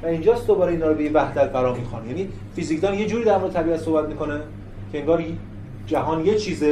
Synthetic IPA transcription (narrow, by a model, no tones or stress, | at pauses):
væind͡ʒɒːsd̪obɒːɾeiːnɒːɾobejevæhd̪æt̪̚ɡæɾɒːɾmiːxɑ̰njæniː | fizikʰd̪ɒːnje̞d͡ʒuːɾiːd̪æɾmoɾd̪et̪ʰæbiːæt̪so̞hbæt̪miːko̞ne | cʰe̞eŋɡɒːɾj | d͡ʒæɦɒːnjet͡ʃʰiːze